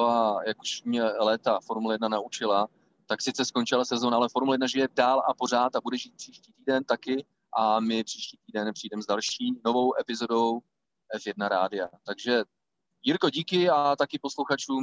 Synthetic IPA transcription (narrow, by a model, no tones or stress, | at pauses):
ajakuʃmɲɛlɛːt̪afoɾmulajɛdnanaut͡ʃɪla | t̪aksɪt͡sɛsko̞nt͡ʃɪlasɛzo̞naʔalɛfoɾmulajɛdnaʒɪjɛdaːlapo̞r̝aːt̪abudɛʒiːt̪̚pr̝̥iːʃciːt̪iːdɛnt̪akɪ | ʔamɪpr̥iːʃciːt̪iːdɛnpr̝̥ijdɛmɛzdalʃiːno̞vo̞wʔɛpɪzo̞do̞w | ʔɛfjɛdnaɾaːdɪat̪aɡʒɛ | jiɾko̞ɟiːkɪat̪akɪpo̞sluxat͡ʃuːm